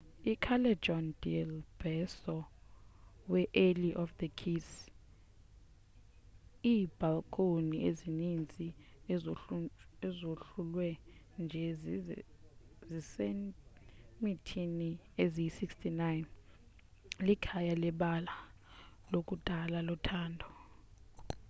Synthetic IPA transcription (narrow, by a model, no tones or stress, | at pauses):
ikʰalɛ̥d͡ʒɔndilb̥ʱɛsɔ | wɛʔeliʔɔfd̪əkʰis | iːb̥ʱalkʰʼoniʔezinint͡sʼi | ɛzoɬulwɛ | nd͡ʒʱɛz | zise | mitʰiniezisikstʰinajn | likʰajalɛɓala | lok̬ʼud̥ʱalalɔtʰaːndʱɔ